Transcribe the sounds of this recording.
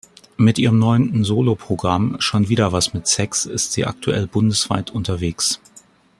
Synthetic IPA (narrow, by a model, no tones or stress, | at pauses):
mɪtʔiːʁəmnɔʏəntn̩zoːlopʁ̥oɡʁamʃoːnviːdɐvasmɪtsɛksɪstz̥iːʔa̰k̚tʰuʔɛ̰lbʊndəsv̥a̰ɪtʰʊntɐveːks